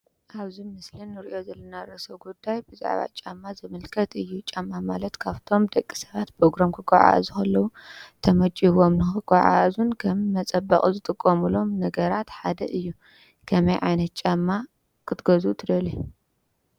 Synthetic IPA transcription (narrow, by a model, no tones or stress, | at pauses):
ʔaβzimɨslɨnːɨɾiʔo̞zɐlːɐnaɾɐsɐwɡud̪ːajbɨza̰ʕβa̰t͡ʃʼamːazɨmɨlkʰɐt̪ɨjːut͡ʃʼamːamalɐt̪kʰaβt̪ʰo̞md̪ɐkʼːi̥sɐβat̪bɾoɡɾamkʰɨɡʷa̰ʕa̰zukɐlːɐwut̪ʰɐmɐt͡ʃʼiwo̞mnɨxɨɡʷʼaʕa̰zunkʰɐmːɐt͡sʼɐbɐχʼuzɨt̪ʼɨkʼːomulo̞mnɐɡɐɾat̪ħad̪ɐʔɨjːu | kʰɐmɐjʕajnɐt̪̚t͡ʃʼamːa | kʰɨt̪ɡɐzut̪ʰɨd̪ɐli